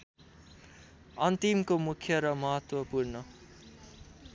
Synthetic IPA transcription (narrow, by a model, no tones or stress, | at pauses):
ʌnt̪imkomukʰjʌɾʌmʌɦʌt̪wʌpuɾnʌ